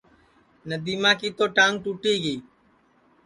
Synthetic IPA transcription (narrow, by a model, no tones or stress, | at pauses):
nəd̪iːmãːkiːt̪oːʈãːŋɡ̚ʈuːʈiːɡiː